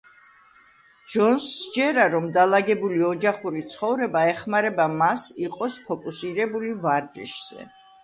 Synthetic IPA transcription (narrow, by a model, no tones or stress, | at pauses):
d͡ʒɔnsd͡ʒɛɾaɾɔmd̪alaɡɛbuliɔd͡ʒaχuɾit̪sʰχɔvɾɛbaɛχmaɾɛbamasiqʼɔspʰɔkʼusiɾɛbulivaɾd͡ʒɛ̰ʃz̥ɛ̰